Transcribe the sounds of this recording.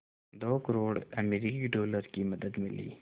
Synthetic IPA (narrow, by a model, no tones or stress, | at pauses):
d̪oːkəɾoːɽɐmeɾikiɖoːləɾkimɐd̪əd̪mɪlḭː